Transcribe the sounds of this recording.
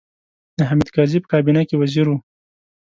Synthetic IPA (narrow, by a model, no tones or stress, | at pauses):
d̪̥əɦamid̪kɑzipə̥kɑbinakewaziɾu